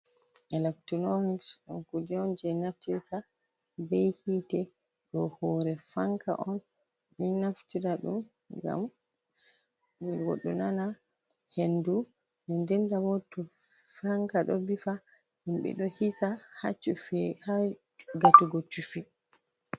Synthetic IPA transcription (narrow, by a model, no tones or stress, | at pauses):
ɛlaktɔnomiksɔnkud͡ʒɛnd͡ʒɛnaftiɾsa | bɛjhitɛ | ɗɔhɔɾɛfaŋkʰa̰ʔɔn | minaftiɾaɗṵm | ɡa̰m | wɡɔ̰ɗːunana | hendu | nɛndɛndawɔtɔ | faŋkaɗɔbifa | himɓɛ̰ɗɔhisahat͡ʃːufɛha | ɡatuɡot͡ʃːufi